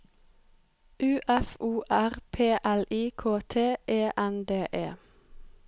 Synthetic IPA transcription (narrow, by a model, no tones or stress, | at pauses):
ʔʉːʔɛfuːʔæʁpʰeːʔæliːkʰoːt̪ʰeːʔeːʔɛnd̪eːʔeː